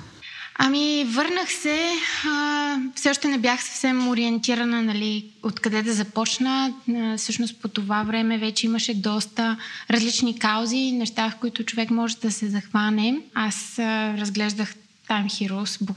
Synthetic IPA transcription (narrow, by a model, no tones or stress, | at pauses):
ɐmivɤɾnəxsɛəfsɛɔʃt̪ɛnɛbjaxsɐ̥fsɛmoɾiɛnt̪iɾənənɐliot̪kɐd̪ɛd̪ɐzɐpɔt͡ʃnəfsɤʃnost̪̚pot̪ovavɾɛmɛvɛt͡ʃɛiməʃɛd̪ɔst̪əɾɐzlit͡ʃnikawzinɛʃt̪afkoit̪ʊt͡ʃovɛkmɔʒɛd̪ɐsɛzɐxvanɛasəɾɐzɡlɛʒd̪əx | t̪amxiɾusbo